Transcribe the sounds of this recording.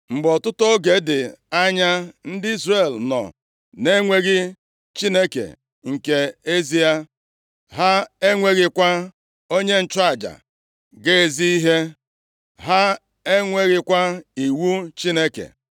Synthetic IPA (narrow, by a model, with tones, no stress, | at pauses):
ŋ͡m̩˨ɡ͡bɔ˨tʊ˦tɔ˦ɡe˨dɪ˨a˦ɲa˦n̩˦dɪ˦i˦zre˨lnɔ̰˨ | ne˦ŋʷe˦ɣɪ˦ | t͡ʃi˦ne˦kḛ˨ | ŋ̩˨ke˨e˦zi˦a˦ | ɦa˦e˦ŋʷe˦ɣɪ˨kʷa˦ | o˦ɲe˦n̩˦t͡ʃa˦˨d͡ʒa̰˨ | ɡe˦e˨zi˦i˦ɦe˦ | ɦa˦ | e˦ŋʷe˦ɣɪ˦kʷa˦i˨wu˦t͡ʃi˦ne˦kḛ˨